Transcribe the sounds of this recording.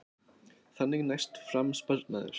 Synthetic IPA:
θanːɪɣnajst̪fɾamspœɾt̪na̰ðɪ̰ɾ̥

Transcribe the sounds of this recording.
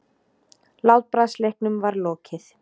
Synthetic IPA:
laːwt̪̚pɾaslehknʏmvaɾlɔːcʰɪθ

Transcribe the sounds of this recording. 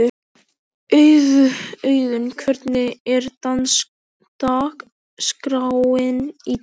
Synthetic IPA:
œɥðʏœɥðʏmkʰvœɾt̪nɪɛɾt̪ans | t̪aːk | skɾawɪni

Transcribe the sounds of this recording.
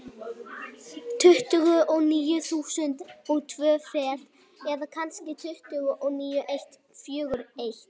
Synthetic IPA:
t̪ʰʏht̪ʏɣʏʔɔɣniːjʏθuːsʏnt̪ɔɣt̪ʰvœːfɛːt̪ | ɛðakʰanscɪt̪ʰʏht̪ʏɣʏʔɔɣniːjʏʔejht̪ | fjʏːɣʏɾejht̪

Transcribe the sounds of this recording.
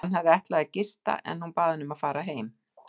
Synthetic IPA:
nɦavðɪɛht̪lɛɣacɪst̪a̰ʔɛ̰nhunpaːðɪnʏmaðfaːɾaɦeːjm

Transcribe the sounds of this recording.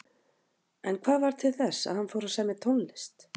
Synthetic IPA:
ɛnkʰvaːðvaɾ̥t̪ʰɪlθɛsːa̰ðhanfoːwɾasɛmɪt̪ʰɔnlɪst̪

